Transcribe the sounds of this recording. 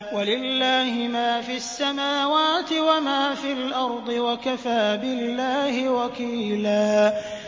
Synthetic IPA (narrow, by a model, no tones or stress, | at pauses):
walɪlːaːhɪmaːfiasːamaːwaːt̪ɪwamaːfilʔɑɾˤd̪ˤɨwakafaːbɪlːaːhɪwakiːlaː